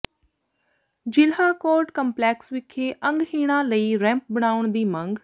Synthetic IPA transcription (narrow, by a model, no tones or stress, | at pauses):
d͡ʒɪlɦaːkoːɾʈkəmplɛːksʋɪkʰːeːʔə̃ŋɡɦiːɽ̃ãːləiːɾɛ̃ːmp̚bəɽ̃aːʊɳd̪iːmə̃ŋɡ